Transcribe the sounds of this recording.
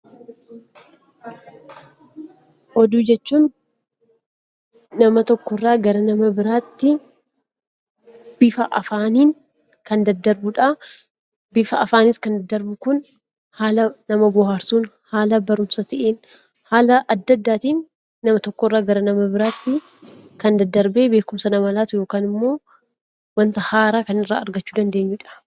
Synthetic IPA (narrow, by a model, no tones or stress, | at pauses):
ʔɔd̪uːd͡ʒɛt͡ʃːuːn | nɐmɐt̪ɔkːɔrːaːɡɐɾɐnɐmɐbɪɾaːt̪ːɪ | b̥ɪfɐʔɐfaːniːn | kɐnd̪ɐd̪ːɐɾbʊᶑa | bɪfɐɐfaːnɪskɐnd̪ɐd̪ːɐɾbʊkʊn | haːlɐnɐmɐbʊhaːɾsuːnhaːlɐbɐɾʊmsɐt̪ɐʔeːn | haːlɐʔɐd̪ːɐd̪ːaːt̪iːnː | ɐmɐt̪ɔkːorːaːɡɐɾɐnɐmɐbɪɾaːt̪ːɪ | kɐnd̪ɐd̪ːɐɾbeːbeːkʊmsɐnɐmɐlaːt̪ʊjo̞ːkaːnɪmːo̞ː | wɐnt̪ɐhaːɾaːkɐnɪrːa̰ːɐɾɡɐt͡ʃːuːd̪ɐnd̪e̞ːɲːʊᶑɐ̥